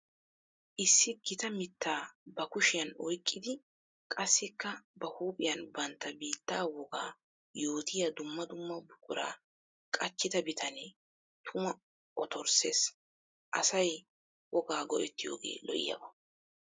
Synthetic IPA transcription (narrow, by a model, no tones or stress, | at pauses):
ʔɪsːɪɡɪt̪ɐmɪt̪ʰːaːbɐkʊʃɪjɐnɔjkʼːɪd̪ɪ | kʼɐsːɪkːɐbɐhuːpʼɪjɐnbɐnt̪ːɐbiːt̪ːaːwɔɡaː | jo̞ːt̪ʰɪjɐd̪ʊmːɐd̪ʊmːɐbʊkʼʊɾa̰ː | kʼɐt͡ʃːɪd̪ɐbɪt̪ʰɐne | t̪ʰʊmɐ | ʔɔt̪ʰɔɾsḛːs | ʔɐ̰sɐj | wɔɡaːɡɔʔɛt̪ːɪjo̞̰ːɡe̞̰ːlɔʔɪ̰jɐ̰bɐ